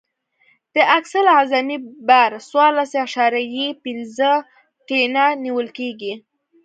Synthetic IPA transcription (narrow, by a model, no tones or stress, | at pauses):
d̪̥əʔaksalazamibaɾswɑɾlasaʃɑɾajipinzə | ʈenaniwəlkeɡi